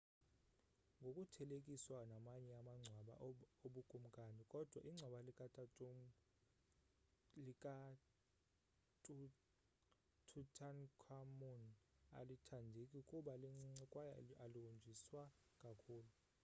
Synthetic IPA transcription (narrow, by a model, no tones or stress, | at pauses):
ŋɡʱokʼutʰɛlekʼiswanamaɲɛamaŋ͡ǀʱwaɓa̰oɓukʼum̩kʼanikʼɔd̥ʱwaʔiŋ͡ǀʱwaɓalikʼatʼ | likʼa | tʼ | tʰutʰʼankʰamɔna̰litʰandʱekʼiukʼuɓaliŋ͡ǀŋ͡ǀɛkʼwajaaluund͡ʒʱiswakʼakʰuːlu